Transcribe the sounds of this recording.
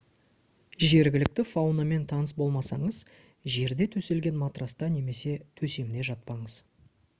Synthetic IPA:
ʒe̞ɾɡʲɪlɪk̚t̪ɪfawname̞nt̪ʰɑnəsbo̞lˠmɑsɑɴəz | ʒe̞ɾd̪e̞t̪ʰɵse̞lɡʲe̞nmat̪rast̪ɑne̞me̞se̞t̪ʰɵse̞md̪e̞ʒɑt̪̚pɑɴəz

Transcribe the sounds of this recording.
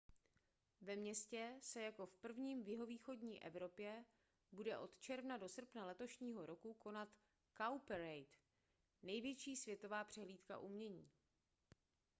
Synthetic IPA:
vɛmɲɛscɛsɛjako̞fpr̩vɲiːmvjɪɦo̞viːxo̞dɲiːʔɛ̰vɾo̞pjɛ | budɛʔo̞t̪t͡ʃɛɾvnado̞sr̩pnalɛt̪o̞ʃɲiːɦo̞ɾo̞kuko̞nat̪ | kawpɛɾɛjt̪ | nɛjvjɛt͡ʃiːsvjɛt̪o̞vaːpr̝̥ɛɦliːt̪ka̰ʔumɲɛɲiː

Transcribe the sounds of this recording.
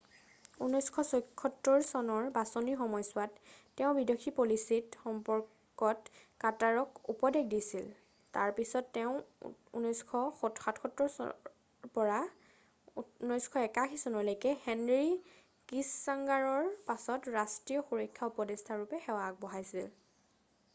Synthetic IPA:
unɔjskʰɔsɔkʰːɔtːɔɹsɔnɔɹbasɔnixɔmɔjsʊatː | ɛʊ̃bidokʰipolisitxɔmpɔɹ | kɔt | kataɹɔkupɔdekdisil | taɹpisɔtːɛʊ̃ṵnɔjskʰɔxɔtxatxɔtːɔɹ | pɔɹa | nɔjskʰɔɛkakʰisɔnɔɹlojkɛxɛnɹi | kisːaŋɡaɹɔɹpasɔtɹastɹijɔxuɹɔjkʰːaupɔdestʰaɹupɛxɛwak̚bɔɦajsil

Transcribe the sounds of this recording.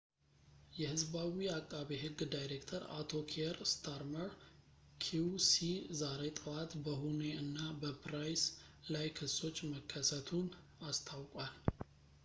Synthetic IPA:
jɛhɨzbawiakʼːaβiɦɨɡːd̪ajɾekt̪ʰəɾa̰t̪ʰo̞kʰeɾst̪ʰaɾməɾ | kʰuwsizaɾe̞t̪ʼɨwat̪bəhune̞ɨnːabəpɾajslajkʰɨsːo̞t͡ʃːməkʰːəsət̪ʰun | ast̪ʰawkʼwal

